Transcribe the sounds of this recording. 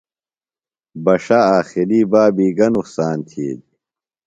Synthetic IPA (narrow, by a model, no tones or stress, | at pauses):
bɐʂaːaːxiliːbaːbiːɡɐnuksaːnt̪ʰiːd̪